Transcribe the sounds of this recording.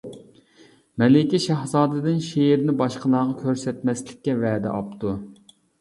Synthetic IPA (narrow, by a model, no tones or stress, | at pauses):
mɛlɪkʲiʃɑhzɑːd̪ɨd̪ɪnʃeɾnɪbɑʃqəlˠɑʁɑkʲʰøɾsɛt̪mɛslɪkʲːɛvɛːd̪ɛ̰ʔɑ̰pt̪u